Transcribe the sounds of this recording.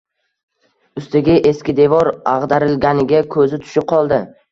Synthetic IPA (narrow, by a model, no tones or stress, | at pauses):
ʊst̪ɪɡʲɪʔe̞skʲɪd̪e̞vɒɾɑʁd̪aɾɪlɡʲanɪɡʲakʰɵzɪt̪ʰʊ̥ʃɪp̚qʰɒlˠd̪ɪ